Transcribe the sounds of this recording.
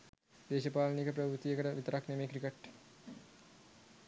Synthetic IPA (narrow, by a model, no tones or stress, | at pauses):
d̪eːʃəpaːlnikəpɾəʋɾut̪ijəkəʈəʋit̪əɾaknemeːkɾikəʈː